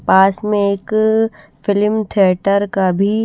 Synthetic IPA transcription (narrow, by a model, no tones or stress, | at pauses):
paːsmẽeːk | fɪlɪmt̪ʰijəʈəɾkabʱi